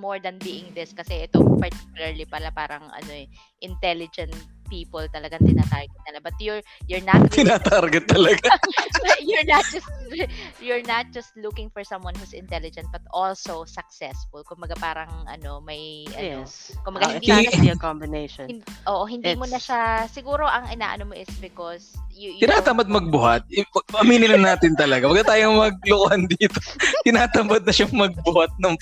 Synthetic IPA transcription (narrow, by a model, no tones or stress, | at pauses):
moɹd̪ɐnbiːʔɪŋd̪ɪskɐsɛʔɛt̪opɐɹt̪i̥kjʊlɐɹlipɐlapaːɾɐŋʔɐ̰noɛ | ʔɪnt̪ɛlɪd͡ʒɛ̃nt̪ | piːpɔlt̪ɐlɐɡaŋt̪ɪnaːt̪aɹɡɪt̪̚nɐlabɐt̪̚jʊɹ | jʊɹnat̪̚t̪ɪnat̪aɾɡɪt̪ːɐlɐɡa | jʊɹnat̪̚d͡ʒɐst̪jʊɹnɐt̪̚d͡ʒɐst̪lukɪ̃ŋfɔɹsɐ̃mwɐnhuːsɪ̰nt̪ɛlɪd͡ʒɛ̃nt̪̚bɐt̪olsowsɐk̚sɛsfʊlkʊmbɐɡapaːɾɐŋʔɐ̰no̞mɐjʔɐ̰nkʊmbɐɡahɪnd̪ikɔmbɪneʃɔnʔoːʔoɦɪnd̪iːmonɐʃasɪɡuːɾo̞ʔɐŋɪna̰ːʔɐ̰nomoʔɪsbɪkɔsjjt̪ɪnaːt̪ɐmbɐd̪̚mɐɡ̚bʊhɐt̪̚ɪpɐɡ̚ɐʔɐmiːnɪnɐnːaːt̪ɪnt̪ɐlɐɡambɐɡ̪at̪aːjoŋmɐɡ̚lʊkʊhand̪iːt̪ot̪ɪnaːt̪ɐmbɐd̪̚nɐʃaŋmɐɡ̚bʊhat̪̚nɐŋ